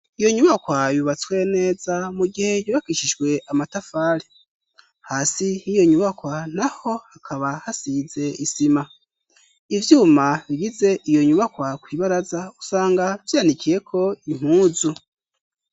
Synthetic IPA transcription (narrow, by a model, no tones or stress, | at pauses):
ijo̞ɲuβakwajuβat͡swe̞ne̞ːzamuɡihe̞juβakiʃiʒɡwe̞ʔamatafaːɾe | haːsinijo̞ɲuβakwan̥aho̞hakʰaβahasize̞isima | ivjuːmaβiɡize̞ʔijo̞ɲuβakwakwiːβaɾazausaːŋɡav̥jaːnikije̞kʰo̞im̥huːzu